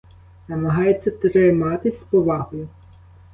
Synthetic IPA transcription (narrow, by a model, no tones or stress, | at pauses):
nɐmɐɦɑjet͡sʲːɐt̪ɾɪmɑt̪ɪsʲspɔʋɑɦɔjʊ